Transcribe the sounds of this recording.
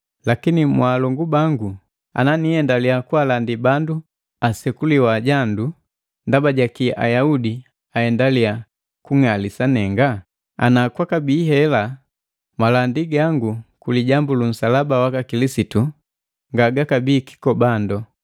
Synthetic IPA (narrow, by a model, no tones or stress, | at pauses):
lakinimwaːlɔŋɡubaŋɡu | a̰nanihɛndaliakualandibandu | asɛkuliwaɟandu | ndabaɟakia̰jaudi | ahɛndalia | kuŋalisanɛŋɡa | a̰nakwakabiːɦɛla | malandiɡaŋɡukuliɟambulum̩salabawakakilisitu | ŋɡaɡakabiːki̥kɔbandɔ